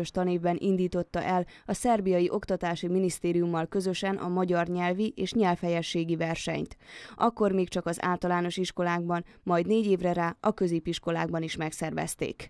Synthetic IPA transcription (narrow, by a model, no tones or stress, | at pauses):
øʃt̪ɒneːvbɛnʔind̪iːt̪o̞t̪ːɒ̰ʔɛlɒsɛrbijɒjiʔo̞kt̪ɒt̪aːʃiminist̪eːɾijumːɒlkø̞zø̞ʃɛnʔɒ̰mɒɟɒrɲɛlviʔeːʃɲɛlfɛjɛʃːeːɡivɛrʃɛ̰ɲt̪ʔɒkːo̞rmeːkt͡ʃɒkɒza̰ːlt̪ɒlaːno̞ʃiʃko̞laːɡ̚bɒn | mɒjd̪neːɟeːvrɛɾaːɒkø̞zeːpiʃko̞la̰ːɡ̚bɒniʃmɛksɛrvɛ̰st̪ḛːk